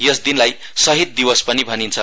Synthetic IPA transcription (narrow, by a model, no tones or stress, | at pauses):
jesd̪inlaj | sʌɦit̪̚d̪iwʌspʌnibʱʌnint͡sʰʌ